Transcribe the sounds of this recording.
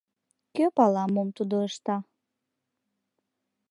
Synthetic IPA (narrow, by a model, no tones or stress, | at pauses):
køpɑlˠɑmumt̪ud̪ɤʃt̪ɑ